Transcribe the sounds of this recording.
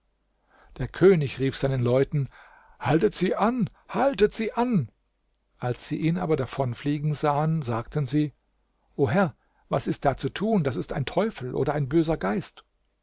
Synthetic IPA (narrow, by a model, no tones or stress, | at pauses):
d̥eːɐkʰøːnɪçʁiːfz̥aɪnənlɔʏtn̩ | haltətz̥iːʔan | haltətz̥iːʔan | ʔalsz̥iːʔiːnʔa̰ːbɐdafɔnfliːɡŋ̩zaːənzaːktʰənziː | ʔoːɦɛɐ | vasɪst̚d̥aːt͡sutʰuːndas̬ɪstaɪntʰɔʏfl̩ʔo̰ːdɐaɪnbøːzɐɡaɪst